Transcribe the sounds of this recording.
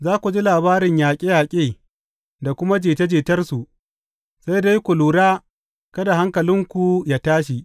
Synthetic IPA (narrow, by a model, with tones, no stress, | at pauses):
zaː˦kʷu˨d͡ʒi˦laː˨baː˦ɾɪ˨ɲjaː˨kʲʼɪ˦jaː˨kʲʼeː˦˨ | da˨kʷʊ˦ma˦d͡ʒeː˨te˦d͡ʒeː˨tɐ˦rsu˨ʔ | sa˦jda˦jkʷʊ˨luː˨ɽaː˦ | kɐ˦da˨ɦa˦ŋkɐ˨lɪ˦ŋkʷu˨jaː˨˦taː˦ʃ̬i˨ʔ